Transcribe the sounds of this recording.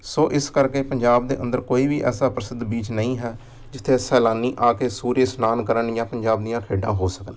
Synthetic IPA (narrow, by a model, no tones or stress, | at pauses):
soːʔɪskəɾkeːpəɲd͡ʒaːbd̪ḛːʔə̰nd̪əɾkoːiːbiːʔɛ̰ːsaːpɾəsɪd̪biːt͡ʃnəĩːɦɛː | d͡ʒɪt̪ʰːeːsɛːlaːniːʔaːkeːsuːɾeːsnaːnkəɾəɳjãːpəɲd͡ʒaːb̚d̪ijãːkʰeːɖã̰ːɦoːsəkən